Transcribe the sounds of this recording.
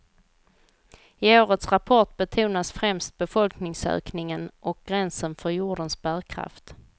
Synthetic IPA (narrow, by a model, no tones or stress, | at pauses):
ɪoːɾət̪sɾapʰɔʈbɛt̪ʰuːnasfɾɛmst̪̚bɛfɔlknɪŋsø̰ːknɪŋənʔɔk̚ɡ̥ɾɛnsənfœɾjʊːɖənsbæːɾkʰɾa̰ft̪